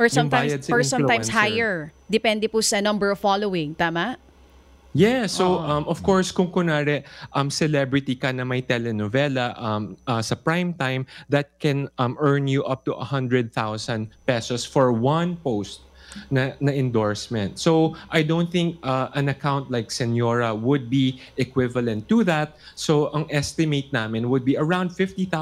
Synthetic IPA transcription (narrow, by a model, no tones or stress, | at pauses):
ʔɔɹsɐ̃mb̪t̪ajɐd̪̚sɐɔɹsɐ̃luãjmshajɛɹd̪ɛpɛnd̪ɛpusɐnɐmbɛɹɔvfalowɪ̃ŋt̪aːmɐʔ | jɛsowʔɐmʔɔv̥kɔɹskʊŋkʊnaɾɛʔɐmsɛlɛbɹɪt̪ikɐnɐmɐjt̪ɛlɛnɔvɛlɐʔɐmɐsɐpɹãjmt̪ãjmðɐt̪̚kɛ̃nmɜɹnjuʔɐp̚t̪uʔɐ̰hɐ̃nd̪ɹɛd̪̚θawsɐ̃nd̪̚pɛsɔsfɔɹwɐ̃npowst̪̚ | nɐnɐʔɪ̃nd̪ɔɹsmɛ̃nt̪sowʔajd̪õʊ̃nθɪ̃ŋkɐʔɐ̃nɐkãwnt̪lajksɛnjoɹɐwʊd̪̚biʔɛkwɪvɐlɛ̃nt̪ːuðat̪̚ | soʔɐŋʔɛst̪ɪmejt̪̚namɪ̃nwʊd̪̚biɐɹãw̃nd̪̚fɪft̪iθa